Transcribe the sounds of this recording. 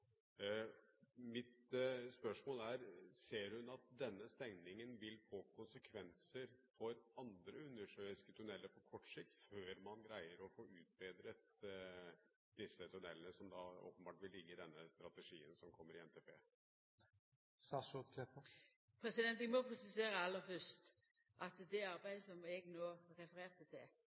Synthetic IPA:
mɪt̪spœʂmoːlæɾseːɾhʉnɑt̪̚d̪ɛnːəst̪ɛŋnɪŋənʋɪlfoːkʊnsəkʰʋɛnsəɾfɔɾɑnd̪ɾəʉnːəʂøːɪskət̪ʰʉɳɛlːəpʰɔkʰɔʈːsɪk̚t̪føːɾmɑnɡɾæɪəɾɔfoːɾʉːt̪̚beːd̪ɾət̪ | d̪̥ɪsːət̪ʰʉnɛlənəsɔmd̪ɑo̰ːpənbɑːʈʋɪlɪɡːəɪd̪ɛnːəst̪ɾɑt̪əʂiːənsɔmkʰɔmːəɾɪɛnt̪ʰeːpʰḛː | sɑsɔt̪kʰɛpə | pʰɾɛsɪd̪ɛnt̪ɪɡmɔpʰɾɛsɪseːɾəɑlːəfœst̪ | ʔɑt̪d̪ɛɑɾbæɪd̪əsɔmɛɡnoːɾɛfəɾeːʁt̪ət̪ʰɪl

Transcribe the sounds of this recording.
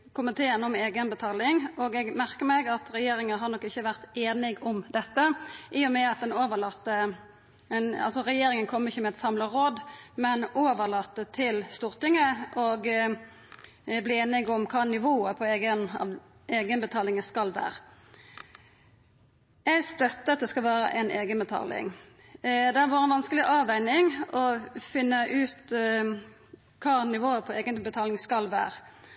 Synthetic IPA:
kʊmənt̪ʰeːənɔmeːɡənbət̪ʰɑːlɪŋɔɡɛɡmæɾkəmɛɡɑt̪ɾɛjeːɾɪŋəɦɑɾnɔkːɪçːəʋæʁt̪eːnɪɡɔmd̪ɛt̪ːəʔɪːʊmɛɑt̪̚d̪ɛnoːʋəlɑt̪ːə | ɛnɑ̰lsɔʁɛjeːɾɪŋənkʰɔmːəɪçːəmɛɛt̪sɑmləʁoːd̪mɛnʔoːʋəʁlɑt̪ːət̪ʰɪlst̪uːʁt̪ɪŋːəʔɔɡ | bliːeːnɪɡɔmkʰɑːnɪʋoːəpʰɔeːɡənɑ̰ | eːɡənbət̪ʰɑːlɪŋəskɑlʋæ̰ːʁə | ɛɡst̪œt̪ːəɑt̪̚d̪ɛskɑlʋæːɾə̰ʔɛnʔeːɡənbət̪ʰɑ̰ːlɪ̰ŋ | d̪ɛæʋuːɾɛnʋɑnskəlɪʔɑːʋæɪnɪŋɔfɪnːəʔʉːt̪ | kʰɑːnɪʋoːəpʰɔeːɡənbət̪ʰɑːlɪŋskɑlʋæ̰ːʁə

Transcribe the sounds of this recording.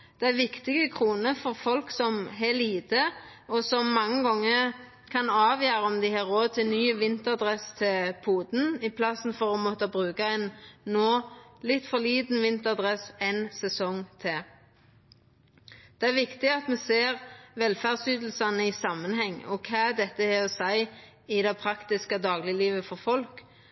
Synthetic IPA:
d̪̥ɛæʁʋɪkt̪ɪɡəkʰʁuːnəfɔʁfɔlksɔmɦɛliːt̪ə | ɔsɔmːɑŋːəɡɔŋːə | kʰɑnɑːʋjøːɾəɔmd̪ɪhɑːʁoːd̪̚t̪ʰɪlnyːʋɪnt̪əɑd̪ʁɛst̪ʰɪpʰuːd̪n̩ɪpʰlɑsn̩fɔʁɔmɔt̪əbʁʉːkɑɛnːoːlɪt̪ːfɔliːd̪n̩ʋɪnt̪əʁɑd̪ʁɛsɛnsɛsɔŋt̪ʰɪ | d̪̥ɛæʁʋɪkt̪ɪɑt̪mɛseːʁʋɛlfæʁd̪syːd̪l̩sɑnəɪsɑmːənɦɛŋːɔkʰɑːd̪ɛt̪ːəhɛɔsæɪ | ɪd̪ɛɪpʰɾɑkt̪ɪskəd̪ɑːɡlɪliːʋəfɔʁfɔlk

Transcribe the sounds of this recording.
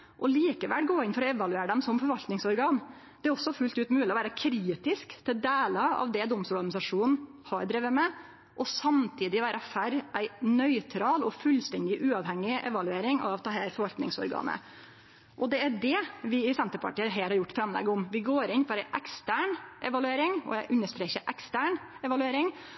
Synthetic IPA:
ʔɔliːkəʋælɡoːɾɪnfɔɾɔɛʋɑlʉeːɾəɖ̪ɛmsɔmfɔɾʋɑlt̪nɪŋsɔɾɡɑːn | d̪̥ɛæɾɔsːɔfʉlt̪ʉːt̪mʉːlɪɔʋæːɾəkʰɾiːt̪ɪskt̪ʰɪld̪eːləɑ̰ʋd̪ɛd̪ɔmst̪ʊɾɡɑnɪsɑʂuːnn̩ | hɑːɾɖ̪ɾɪʋəmɛ | ʔɔsɑmt̪ʰiːd̪ɪʋæːɾʔəfæɾʔæɪnœʏt̪ʰɾɑːlɔfʉlst̪ɛnd̪ɪʔʉːɑʋhɛŋːɪʔɛ̰ʋɑlʉeːɾɪŋɑ̰ʋt̪ʰɑːheɾfɔɾʋɑlt̪nɪŋsɔ̰ɾɡɑ̰ːnə̰ | ʔɔd̪ɛæɖɛʋɪɪsɛnt̪əɾpʰɑ̰ʈiːəɦeːlhɑɾjʊʈːfɾɑmlɛ̰ɡəʊmʋɪɡoːɾɪnfɔɾæɪʔɛkst̪æːɳʔɛʋɑlʉeːɾɪŋɔ̰æɪʔʉnːəʂt̪ɾeːçəʔɛkst̪æːɳɛʋɑlʉeːɾɪŋ

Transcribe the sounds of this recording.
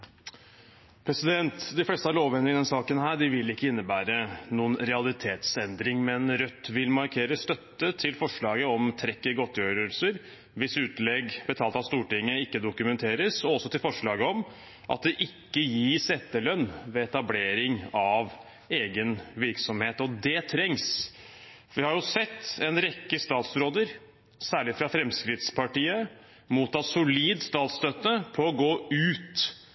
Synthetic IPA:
pʰɾɛsɪd̪ɛnt̪d̪ɪflɛst̪əɑɾloːʋɛnːɪɪd̪ɛnsɑːkənhæːɖɪʋɪlːɪkːəɪnːəbæːɾənuːənɾɛɑlɪt̪ʰeːt̪sɛnd̪ɾɪŋmɛnɾœt̪ːʋɪlmɑɾkʰeːɾəst̪œt̪ːət̪ʰɪlfɔʂɭɑːɡəɔmt̪ʰɾɛkːəɡɔt̪ːjøːɾəlsəɾ | ʋɪsʉːt̪lɛɡb̥ət̪ʰɑːlt̪ɑt̪st̪uːʈɪŋːəɪkːəd̪ʊkʉmɛnt̪ʰeːɾəsɔɔsːɔt̪ɪlfɔʂɭɑːɡəɔm | ʔɑ̰t̪̚d̪ɛʔɪkːəjiːsɛt̪ːəlœnːʋɛɛt̪ɑbleːɾɪŋɑʋ | eːɡənʋɪɾksɔmheːt̪ɔd̪ɛt̪ʰɾɛŋs | fʋɪhɑjʊsɛt̪ːɛnɾɛkːəst̪ɑːt̪sɾoːd̪əɾ | sæːɭɪfɾɑfɾɛmskɾɪd̪spʰɑʈiːə | muːt̪ːɑːsʊliːd̪st̪ɑːt̪st̪œt̪ːəpʰɔɔɡoːʉːt̪

